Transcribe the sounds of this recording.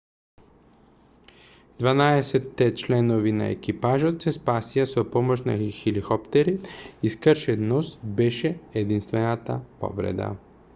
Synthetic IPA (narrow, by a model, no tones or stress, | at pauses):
d̪vanaɛsɛt̪ːɛt͡ʃlɛnoʋina̰ḛkipaʒot̪sɛspaːsijasopɔmot͡ʃna̰xilixɔpt̪ɛɾiiskəɾʃɛd̪nɔsbɛʃɛɛd̪inst̪vɛnat̪apɔ̰vɾɛ̰d̪a̰